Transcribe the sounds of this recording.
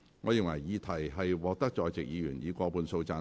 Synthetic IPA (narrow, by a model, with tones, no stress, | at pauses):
ŋɔː˨˧ji˨˩ŋwɐ˨˩jjiː˨˧t̪ʰɐ˨˩jɦɐ˨jwɔː˨k̚t̪ɐ˥k̚t͡ʃɔː˨˧jt͡sɪ˨k̚jiː˨˧jyː˨˩njiː˨˧kʷɔː˧puː˧nso˧wt͡saː˧